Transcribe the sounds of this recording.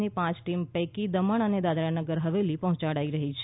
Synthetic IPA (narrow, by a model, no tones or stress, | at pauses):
nipãt͡ʃʈimpɛkid̪əməɳəned̪ad̪ɾanəɡəɾɦəʋelipəɦɔ̃t͡ʃaɽaiɾəɦit͡ʃʰ